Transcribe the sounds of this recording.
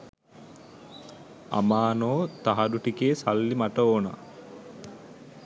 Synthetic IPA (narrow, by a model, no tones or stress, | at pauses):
a̰maːnoːt̪aɦad̪uʈikeːsalːimaʈəoːna̰